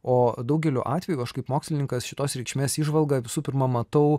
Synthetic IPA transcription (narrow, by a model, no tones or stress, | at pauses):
oːd̪ɐʊɡʲɛlʲo̰ːʔɑːt̪ʲʋʲɛjuɐʃkɐɪpmoːksʲlʲɪnʲɪŋkɐsʃʲɪt̪oːsɾʲɛɪkʃʲmʲeːsiːʒʋɐlˠɡɐʋʲɪsuːpʲɪɾmɐmɐt̪ɐʊ